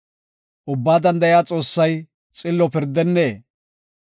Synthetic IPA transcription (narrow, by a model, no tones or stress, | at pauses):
ʔʊbːaːd̪ɐnd̪ɐjaːt͡sʼo̞ːsːɐj | t͡sʼɪlːɔpɪɾd̪ːɛnːeː